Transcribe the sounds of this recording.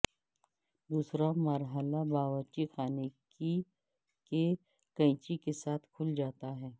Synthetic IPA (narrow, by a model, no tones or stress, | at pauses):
d̪uːsɾamɐɾɦəlabaːʋəɾt͡ʃixaːneki | ke | kɐɪ̃t͡ʃikesaːt̪ʰkʰʊld͡ʒaːt̪aɦɛː